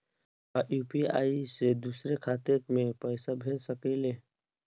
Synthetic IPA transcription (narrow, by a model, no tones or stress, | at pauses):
aʔjuːpia̰ːised̪usɾekʰaːt̪et̪mẽpəɪsabʱeːlsəkeleː